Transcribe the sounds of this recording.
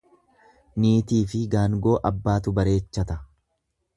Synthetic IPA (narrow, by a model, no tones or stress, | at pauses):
niːt̪iːfɪɡaːŋɡo̞ːʔɐbːaːt̪ʊbɐɾe̞ːt͡ʃːɐt̪ɐ